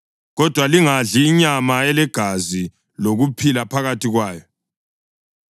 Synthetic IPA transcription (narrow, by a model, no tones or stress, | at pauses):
ɣɔd̥ʱwaliŋaɮiːɲamaɛlɛɡ̥ʱazi | loɣupʰilapʰaɣatʰiɣwaːjɔ